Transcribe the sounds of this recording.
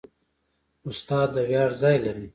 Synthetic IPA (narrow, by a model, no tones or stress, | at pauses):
ʊst̪ɑːd̪əwjɑːɽzɑːjlaɾi